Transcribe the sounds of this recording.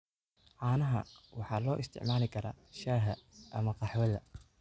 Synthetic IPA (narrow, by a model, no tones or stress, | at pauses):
ʕɑːnɐɦɐ̰wɑħɑːlɔːʔɪst̪ʰɪ̰ʕmaːlɪkʰɐɾaːʃɐɦɐʔɐmɐqɑħwɐðɐ̰